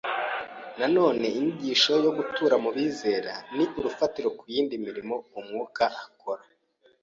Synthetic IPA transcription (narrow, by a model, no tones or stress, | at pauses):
nano̞ːne̞iniɟiːʃo̞jo̞ɡutuːɾamuβiːze̞ːɾaniʔuɾufatiɾo̞kujiːndimiɾimo̞umŋuːkaʔako̞ɾa